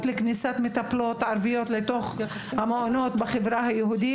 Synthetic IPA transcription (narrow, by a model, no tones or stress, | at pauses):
t̪leknisat̪met̪aplo̞t̪ʕaɾvijo̞t̪let̪o̞χ | hameonot̪beχevɾaɦajehud̪i